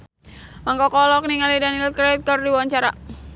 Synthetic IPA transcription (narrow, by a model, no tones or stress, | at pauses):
maŋkɔkɔlɔk̚niŋalidanilkɾɛt̪̚kərdiwaɲt͡ʃaɾa